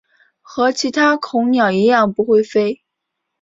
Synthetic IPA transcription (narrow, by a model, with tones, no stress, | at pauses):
xɤ˧˥t͡ɕʰi˧˥t̪ʰa˥kʰʊ˧˥ŋnjɑ˨˩ʊi˧˥jɑ˥˩ŋpu˧˥xwe˥˩ɪfe˥ɪ